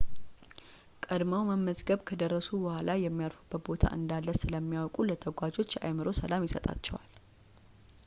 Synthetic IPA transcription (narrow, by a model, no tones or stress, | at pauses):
kʼəd̪məwməmːəzɡəβkʰəd̪ərːəsubəhʷalajɛmːijaɾfub̥ːət̪̚bo̞t̪ʰa̰ʔɨnd̪alːəsɨləmːijawkʼulət̪ʰəɡʷad͡ʒo̞t͡ʃːʔa̰jmɨɾo̞səlamjɪsət̪ʼa̰t͡ʃːɛ̰wal